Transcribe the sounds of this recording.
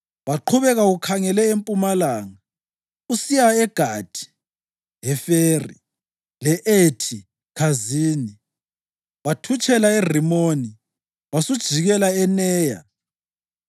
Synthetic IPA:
waǃʰuβɛɣaukʰaŋɛlɛempʼumalaːŋa | usijaɛɡ̥ʱad̥ʰʱi̥ | ɦɛfeːrḭ | lɛʔetʰi | kʰaziːni | watʰut͡ʃʼɛlaer̤imoni | wasud̥ʒ̥ʱiɣɛlaɛnɛːja̰

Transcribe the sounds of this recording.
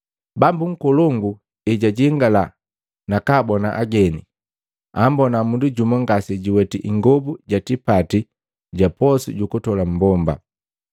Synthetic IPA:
bambuŋ̩kɔlɔŋɡu | ɛɟaɟiŋɡala | nakaːbɔnaʔaɡɛnḭ | ambɔnamunduɟumɔŋɡasiɟiwɛtiʔiŋɡɔbuɟatipati | ɟapɔsḭɟukutɔlam̩bɔmba̰

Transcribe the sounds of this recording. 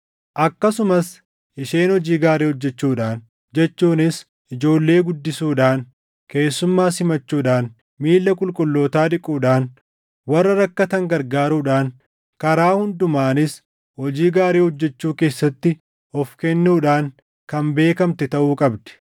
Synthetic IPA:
ʔɐkːɐsʊmɐs | ʔɪʃe̞ːnhɔd͡ʒiːɡaːɾeːhɔd͡ʒːɛt͡ʃːuːᶑaːn | d͡ʒɛt͡ʃːuːnɪs | ʔɪd͡ʒo̞ːlːe̞ːɡʊd̪ːɪsuːᶑaːŋ | ke̞ːsːʊmːaːsɪmɐt͡ʃːuːᶑaːn | miːlːɐkʼʊlkʼʊlːo̞ːt̪aːᶑɪkʼːuːᶑaːn | wɐrːɐɾɐkːɐt̪ɐŋɡɐɾɡaːɾuːᶑaːŋ | kɐɾaːhʊnd̪ʊmaːnɪs | hɔd͡ʒiːɡaːɾeːhɔd͡ʒːɛt͡ʃːuːke̞ːsːɐt̪ːɪ | ʔɔfkɛnːuːᶑaːŋ | kɐmbe̞ːkɐmt̪ɪt̪ɐʔuːkʼɐbd̪ɛ̥

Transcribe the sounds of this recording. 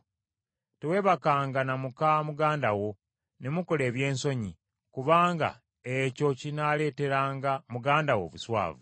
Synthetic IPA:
tewe̞ːβakaːŋɡanamukamuɡaːndawo̞ | ne̞muko̞le̞ːβje̞ːnso̞ɲi | kuβaːŋɡa̰ | eco̞cinale̞ːte̞ɾaːŋɡamuɡaːndawo̞̰ːβuswa̰ːvu

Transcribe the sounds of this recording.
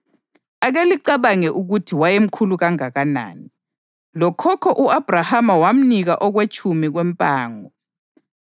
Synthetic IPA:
aɣeliǀaβaŋɛʔuɣutʰiwajem̩kʰuluɣaŋaɣana̰ːni | lɔkʰɔkʰɔʔuab̥ʱrahamawam̩niɣaʔɔɣwet͡ʃʰʼumiɣwempʼaːŋɔ

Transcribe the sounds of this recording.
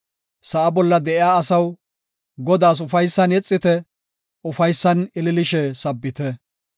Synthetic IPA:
sɐʔɐbɔlːɐd̪ɛʔɪjaːɐsɐw | ɡɔd̪aːs̬ʊfɐjsːɐnɛt͡sʼːɪt̪ɛ | ʊfɐjsːɐnɪlɪlɪʃɛsɐbːɪt̪ɛ

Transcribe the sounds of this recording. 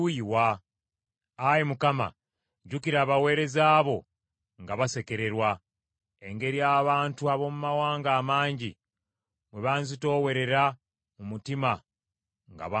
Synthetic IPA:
uiwa | jemukama̰ | ɟukiɾaːβawe̞ːɾe̞zaːβo̞ | ŋɡaβase̞ke̞ɾe̞ɾwa | eŋɡe̞ɾiaːβaːntuaβo̞mumawaːŋɡaːmaːɲɟi | mwe̞βanzito̞ːwe̞ɾe̞ɾa | mumutima | ŋɡa̰βa

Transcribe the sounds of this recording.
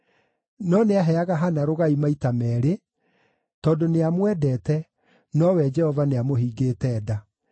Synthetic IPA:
nɔneaɦɛaɣaɦanaɾoɣaimaitamɛːɾe | tɔːdoneamwɛːdɛːtɛ | nɔwɛd͡ʒɛhɔvaneamohiːɡeːtɛːda

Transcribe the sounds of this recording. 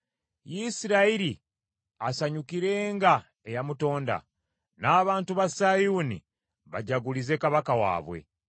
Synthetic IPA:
jisiɾaiɾi | asaɲukiɾe̞ːŋɡa | ejamuto̞ːnda̰ | naːβaːntuβasajuːnḭ | βaɟaɡulize̞kaβakawa̰ːβwe̞̰

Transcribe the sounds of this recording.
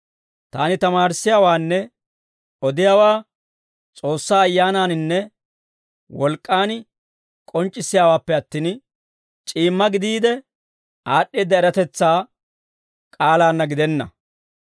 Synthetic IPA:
t̪aːnɪt̪ɐmaːɾɪsːɪjaːwaːnːɛ | ɔd̪ɪjaːwaː | t͡sʼo̞ːsːaːjːaːnaːnɪnːɛ | wɔlkʼːaːn | kʼɔnt͡ʃʼːɪsːɪjaːwaːpːɛɐt̪ːiːn | t͡ʃʼiːmːɐɡɪd̪iːd̪ɛ | aːɗːiːd̪ɐɛɾɐt̪ɛt͡sːaː | kʼaːlaːnːɐɡɪd̪ɛnːɐ̰

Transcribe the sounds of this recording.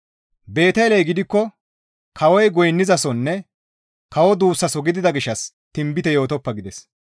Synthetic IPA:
be̞ːt̪ɐjlɛjɡɪd̪ɪkːɔ | kʰɐwɔjɡɔjnːɪzɐsɔnːɛ | kɐwɔd̪uːsːɐsɔɡɪd̪ɪd̪ɐɡɪʃːɐs | t̪ɪmbɪt̪ɛjo̞ːt̪ɔpːɐɡɪd̪ɛs

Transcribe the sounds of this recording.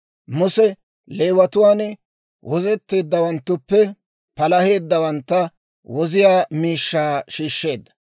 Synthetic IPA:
mʊsɛ | leːwɐt̪ʊwaːn | wʔɔzɛt̪ːe̞ːd̪ːɐwɐnt̪ːʊpːɛ | pɐlɐhe̞ːd̪ːɐwɐnt̪ːɐ | wɔzɪjaːmiːʃːaːʃiːʃːe̞ːd̪ːɐ̥

